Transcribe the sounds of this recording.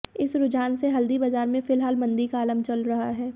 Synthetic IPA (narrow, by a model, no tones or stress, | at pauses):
ɪsɾʊd͡ʒaːnseɦɐld̪ibazaːɾmẽfɪlɦaːlmɐ̃nd̪ikaːləmt͡ʃɐlɾɐɦaɦɛː